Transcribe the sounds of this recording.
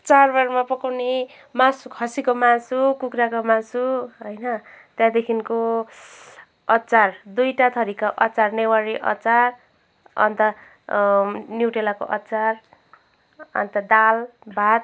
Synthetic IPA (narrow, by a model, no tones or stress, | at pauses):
t͡sarbʌrmapʌkawne | mãsukʰʌsikomãsukukɾakomãsuɦʌjnʌ | t̪jãd̪ekʰinko | ʌtːt͡sard̪ujʈat̪ʰʌɾikaʔʌt͡sarnewaɾiʔʌ̰t͡sar | ʌ̰nt̪ʌ | njuʈelako̰ʔʌtːt͡sar | ʌ̰nt̪ʌd̪albʱat̪̚